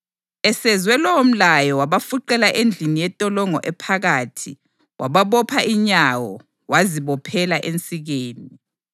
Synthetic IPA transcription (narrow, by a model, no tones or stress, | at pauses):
ɛsɛzwɛlɔwom̩lajɔwaβafuǃɛlaʔend͡ɮʱinijɛtʼɔlɔŋɔ̰ʔɛpʰaɣaːtʰi | wʔaβaβɔpʰaʔiɲawɔ̰ | waziβɔpʰɛlaʔent͡sʼiɣeːni